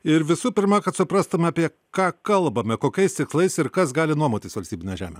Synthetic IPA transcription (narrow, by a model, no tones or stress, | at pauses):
ɪɾʋʲɪsuːpʲɪɾmɑkɐt̪sʊpɾɑːst̪ʊmʲɛɐːpʲiɛ | kɑːkɐlˠbɐmʲɛkoːkʲɛɪst̪ʲɪkslˠɐɪsɪɾkɐsɡɑːlʲɪnuɔmoːt̪ʲɪsʋɐlʲsʲt̪ʲiːbʲɪnʲɛjʒʲæ̰ːmʲḛ